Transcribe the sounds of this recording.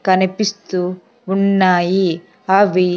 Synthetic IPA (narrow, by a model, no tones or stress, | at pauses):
kɐnɐpist̪u | unːaːji | aʋi